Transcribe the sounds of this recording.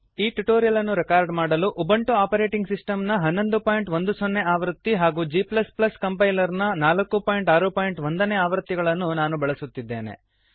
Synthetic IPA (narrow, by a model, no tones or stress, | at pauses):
iːʈuʈoːɾijɐlɐnːuɾɛkaːɾɖmaːɽɐluʔubɐɳʈuaːpɐɾe̞ːʈiŋɡsisʈɐmnɐɦɐnːo̞nd̪upaːjiɳʈʋond̪usonːe̞aːʋɐɾt̪ːiɦaːɡuːd͡ʒiːplɐsplɐskɐmpɐjlɐɾnɐnaːlɐkːupaːjiɳʈaːɾupaːjiɳʈʋond̪ɐneːaːʋɐɾt̪ːiɡɐɭɐnːunaːnubɐɭɐsut̪ːid̪ːe̞ːne̞̰